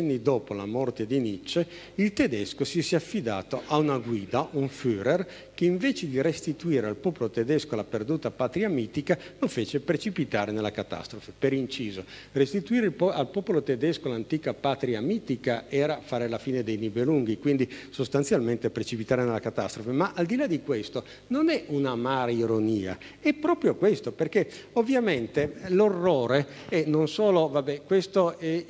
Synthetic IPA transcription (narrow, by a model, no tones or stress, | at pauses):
anːid̪oːpolamɔrt̪ed̪init͡ʃːe | ilt̪ed̪ɛskosisɛafːid̪a̰ːt̪oʔaunaɡwiːd̪aʔuɱfyːɾer | k̟eiɱveːt͡ʃed̪iɾest̪it̪uiːɾealpɔːpolot̪ed̪ɛskolaperd̪uːt̪apat̪ɾiamiːt̪ikalofeːt͡ʃepɾet͡ʃipit̪aːɾenelːakat̪a̰st̪ɾofepeɾint͡ʃiːzo | rest̪it̪uiːɾealpɔːpolot̪ed̪ɛskolant̪iːkapat̪ɾiamiːt̪ikaɛːɾafaːɾelafiːned̪ejnibeluŋɡikwind̪isost̪ant̪sjalment̪epɾet͡ʃipit̪aːɾenelːakat̪ast̪ɾofemaʔald̪ilad̪ikwest̪o | nonɛunamaːɾaiɾoniːa̰ | ɛpːɾɔːpɾjokwest̪operkeovːjament̪elorːoːɾe | ɛnonsoːlovabɛkwest̪oɛ